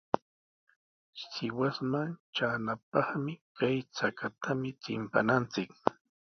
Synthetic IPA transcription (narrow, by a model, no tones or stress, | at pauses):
sɪwasmant͡ʃaːnap̚ɑχmɪkajt͡sakat̪ʰamɪt͡sɪmpa̰nant͡sɪk